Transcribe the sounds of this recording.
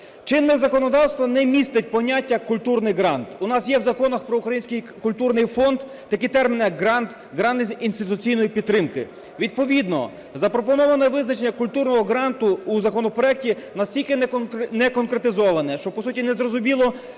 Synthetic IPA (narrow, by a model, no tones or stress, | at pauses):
t͡ʃɪnːɪzɐkɔnɔd̪ɑwst̪ʋɐnɛmʲist̪ɪtʲpɔnʲatʲːɐkʊlʲt̪urnɪjɦɾɑnt̪ʊnɑsjɛwzɐkɔnɐxpɾɔukɾɐjinsʲkɪj | kʊlʲt̪urnɪjfɔnd̪ːɐkit̪ɛrmʲinɪjɐɡɦɾɑnt̪ | ɦɾɑnt̪inst̪ɪt̪ʊt͡sʲijnɔjipʲid̪t̪ːɾɪmkɪ | ʋʲid̪̚pɔʋʲid̪nɔ̰ | zɐpɾɔpɔnɔʋɐnɛʋɪznɐt͡ʃenʲːɐkʊlʲt̪urnɔɦɔɦɾɑnt̪ʊːzɐkɔnɔpɾɔɛk̚tʲinɐsʲtʲilʲkɪnɛkɔnkɾet̪ɪzɔʋɐnɛʃt͡ʃɔpɔsutʲinɛzɾɔzʊmʲilˠɔ